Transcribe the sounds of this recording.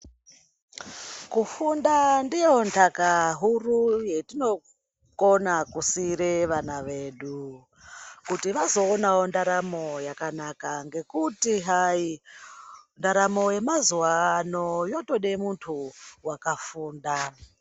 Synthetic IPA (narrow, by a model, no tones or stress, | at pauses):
kufundandijo̞ntʰakaɦuruje̞tino̞ | konakusiɾeʋanaʋeːɗu | kutiʋazo̞ːnaondaɾamo̞jakanakaŋɡe̞kutiɦai | ndaɾamo̞e̞mazuwanojo̞to̞ɗemuntʰuwakafuːnda